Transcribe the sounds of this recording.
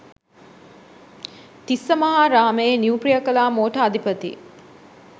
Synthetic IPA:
t̪isːəməɦaɾaːməjeniupɾijəkəlaːmoːʈəad̪ʱipət̪ḭ

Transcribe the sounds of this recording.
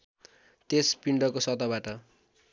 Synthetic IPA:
t̪espiɳɖʌkosʌt̪ʌbaʈʌ

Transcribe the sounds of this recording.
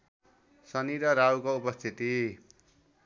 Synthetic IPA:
sʌniɾʌɾawkoupʌst̪ʰit̪i

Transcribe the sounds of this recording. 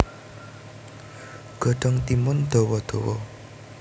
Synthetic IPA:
ɡ̥ɔ̤ɖ̥ɔ̤ŋt̪imʊnd̪̥ɔwɔd̪̥ɔwɔ

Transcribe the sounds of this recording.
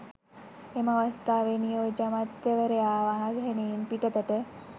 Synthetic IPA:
emaʋəst̪aʋenijod͡ʑamat̪jɐʋəɾeaʋaɦãsɦenenpiʈət̪əʈ̪e

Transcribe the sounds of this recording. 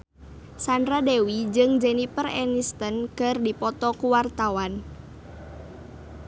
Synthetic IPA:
sandɾadewid͡ʒɨŋd͡ʒɛnipərɛ̰nist̪ənkɨrdipɔt̪ɔkuwart̪awan

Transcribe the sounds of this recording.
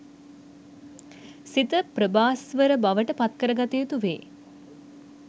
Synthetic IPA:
sit̪əpɾəbaːsʋəɾəbaʋəʈəpat̪kəɾəɡat̪ijət̪uʋḛː

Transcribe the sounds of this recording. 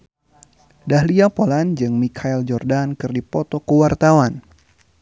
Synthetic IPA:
dahliapoland͡ʒɨŋmikʰaɛld͡ʒɔrdankɨrdipɔt̪ɔkəwart̪awan

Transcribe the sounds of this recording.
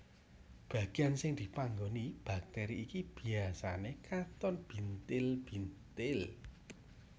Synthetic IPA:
b̥a̤ɡ̥iansɪŋd̪̥i̤paŋɡonib̥a̤k̚t̪ɛɾiːkib̥i̤asanekat̪ɔnb̥int̪ɪlb̥int̪ɪl

